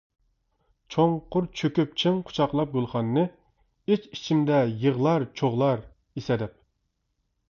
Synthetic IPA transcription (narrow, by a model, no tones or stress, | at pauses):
t͡ʃʰoŋqʰʊɾt͡ʃʰøkʲyp̚t͡ʃʰiŋqʰʊ̥t͡ʃʰɑqlˠɑp̚ɡolˠχɑnɨːɨ | et͡ʃit͡ʃʰimd̪ɛjəʁlˠɑɾt͡ʃʰoʁlˠɑɾ | isɛd̪ɛp̚